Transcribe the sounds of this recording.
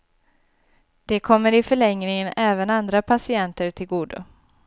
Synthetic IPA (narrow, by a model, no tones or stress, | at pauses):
d̪̥ɛkʰɔmːəɾɪfœɭɛŋɾɪŋənɛːvənand̪ɾapʰasɪɛnt̪əɾʈʰɪlɡuːd̪ʊ̰